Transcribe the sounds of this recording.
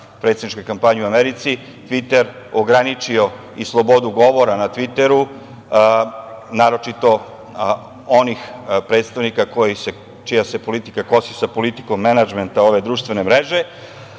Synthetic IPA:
pɾet̪ed̪nit͡ʃkojkampaɲeuameɾit̪si | t̪ʋit̪e̞ɾ | oɡɾanit͡ʃio̞ | islˠo̞bo̞d̪uɡo̞ʋo̞ɾanat̪ʋit̪e̞ɾu | naːɾo̞t͡ʃit̪o̞ | onixpɾe̞ːt̪st̪aʋnikako̞jise | t͡ʃijase̞po̞lit̪i̥kako̞sisapo̞lit̪i̥ko̞mːenad͡ʒment̪ao̞ʋe̞d̪ɾuːʃt̪ʋe̞nemɾeʒe̞

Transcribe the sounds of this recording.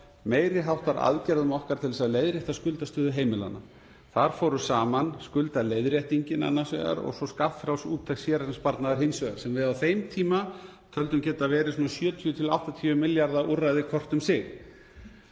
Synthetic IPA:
meːjɾɪɦawht̪vaɾʔa̰ðcɛɾðʏmɔhkaɾ̥t̪ʰɪlsaðlejðɾjɛjht̪askʏlt̪ast̪œːðʏɦeːjmɪla̰nːa | θaɾ̥fɔːɾʏsaːmanskʏlt̪aleːjðɾjɛht̪iɲcɪna̰nːasɛ̰ɣa̰ɾɔ̰ɣsɔskat̪fɾaw̪suːt̪ʰːaksjɛːɾaɾɪnspaɾt̪naðaɾ̥ɦejnsvœɣa̰ɾ̥sɛmvɪðawθejmt̪ʰiːma | t̪ʰœlt̪ʏmcɛːt̪avɛːɾɪs̬unasjœːt̪ʰiʏt̪ʰɪla̰wht̪at̪ʰiʏmɪljaɾðaʔurːajðɪkʰɔr̥t̪ʏmsɪɣ

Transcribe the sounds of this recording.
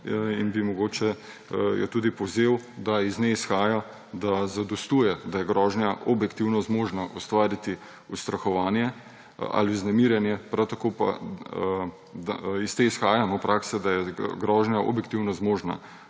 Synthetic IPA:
inbimɔɡoːt͡ʃɛ | jɔ̰t̪uːd̪ipɔwzeːwd̪aizneisxaːja | d̪azad̪ɔst̪uːjɛd̪ajɛɡɾɔːʒnjaʔɔbjɛkt̪iwnɔzmoːʒnaʔɔst̪ʋaːɾit̪i | ust̪ɾaxɔʋaːnjɛ | a̰liznɛmiːɾjɛnjɛpɾawt̪akoːpa̰ | d̪aist̪eisxaːjanɔpɾʔaːksɛd̪ajɛɡɾɔːʒnjaʔɔ̰bjɛk̚t̪iwnɔzmoʒna̰

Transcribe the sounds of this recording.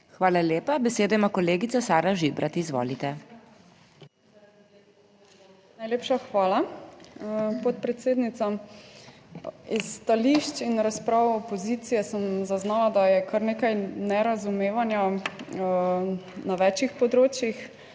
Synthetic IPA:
xʋaːlaljeːpabɛseːd̪ojmakɔleːɡit̪sasaːɾaʒibɾat̪izʋo̰ːlit̪ɛ | najleːpʃaxʋaːla | pɔt̪̚pɾɛt̪seːd̪nit̪sa | isːt̪aliʃt͡ʃinɾaspɾaːwɔpɔziːt̪sijɛsəmzaznaːlad̪ajɛkʰaɾneːkajnɛɾazumeːʋanja | naʋɛːt͡ʃixpɔd̪ɾoːt͡ʃjix

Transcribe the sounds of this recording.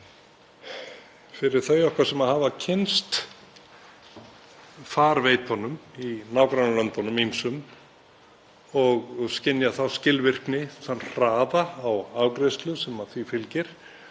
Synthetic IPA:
fɪɾɪɾ̥θœɥjɔhkvaɾ̥sɛmaðhaːvacʰɪnst̪ | faːɾveːjt̪hɔnːʏminawkɾanalœnt̪ɔnʏminsʏm | ɔɣscɪnːjaθawscɪlvɪr̥knɪθanːr̥aːðaːwaːwkɾejst̪lʏsɛmaθvifɪlcɪɾ̥

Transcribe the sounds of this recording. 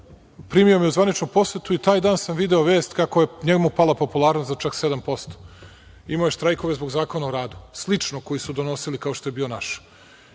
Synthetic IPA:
pɾiːmiomjeuzʋanit͡ʃnupo̞set̪uit̪aːjd̪aːnsamʋid̪eoʋeːst̪kako̞jeɲeɡmupalˠapo̞pulˠaːɾnost̪zat͡ʂaksed̪ampo̞st̪o̥ | imojeʃt̪ɾajko̞ʋezbo̞ɡzaːko̞naoɾaːd̪uslit͡ʂnoko̞jisud̪o̞no̞silikaoʃt̪ojebiːo̞naʃ

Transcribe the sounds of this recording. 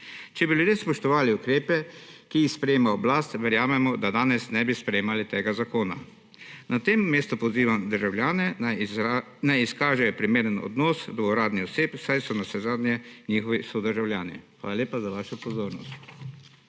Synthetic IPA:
t͡ʃɛbiljud̪jeːspɔʃt̪ɔʋaːliʊkɾeːpɛkiixspɾɛjeːmaɔblaːst̪ʋɛɾjaːmɛmɔd̪ad̪aːnɛsnɛbispɾɛjemalit̪eːɡazakoːna | nʔat̪eːmːeːst̪upɔziːʋamd̪əɾʒawljaːnɛ | najiskaːʒɛjɔpɾimeːɾənɔ̰d̪nɔsd̪ɔɾaːd̪niɔseːpsajsɔnasɛzaːd̪njɛniːxɔʋisod̪əɾʒawljaːnɛxʋaːlalʲjeːpazaʋaːʃɔpɔzoːɾnɔ̰st̪

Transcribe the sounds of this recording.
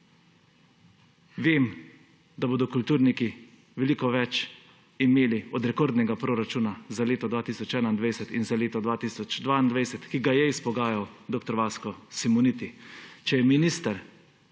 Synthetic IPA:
ʋeːm | d̪aboːd̪ɔkult̪uːɾniki | ʋɛliːkɔʋɛt͡ʃ | imeːliɔd̪ɾɛkoːɾd̪nɛɡapɾoːɾat͡ʃunazaleːt̪ɔd̪ʋaːt̪iːsɔt͡ʃɛːnaind̪ʋajsɛt̪inzaleːt̪ɔd̪ʋaːt̪iːsɔt͡ʃd̪ʋaːind̪ʋajsɛt̪kiɡajɛispɔɡaːjawd̪okt̪ɔɾʋaːskɔsimunit̪it͡ʃɛjɛminist̪aɾ

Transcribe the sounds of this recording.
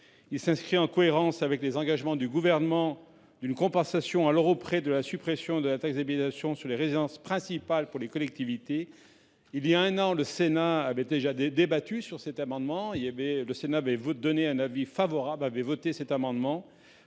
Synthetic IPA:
ilsɛ̃skχiɑ̃kɔeʁɑ̃savɛklezɑ̃ɡaʒmɑ̃d̪yɡuvɛʁnəmɑ̃ | d̪ynkɔ̃pɑ̃sasjɔ̃alɔʁopχed̪əlasypχesjɔ̃d̪əlat̪akzabit̪asjɔ̃syʁleʁezid̪ɑ̃spχɛ̃sipalpuʁlekɔlɛk̚t̪ivit̪e | iljaɛ̃nɑ̃ləsenaːvɛd̪eʒad̪ebat̪ysyʁsɛt̪amɑ̃d̪mɑ̃ivɛləsenaːvɛvd̪ɔneɛ̃navifavɔʁablavɛvɔt̪esɛt̪amɑ̃d̪mɑ̃

